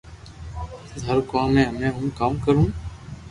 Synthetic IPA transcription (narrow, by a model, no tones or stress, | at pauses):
zəɾkaːlẽːɦəmẽːɦʊnkaːmkəɾũː